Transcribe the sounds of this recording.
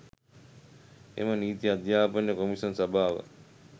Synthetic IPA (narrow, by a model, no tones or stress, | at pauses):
ḛməniːt̪iad̪jaːpənjəkomiʂonsabʱaːʋə̰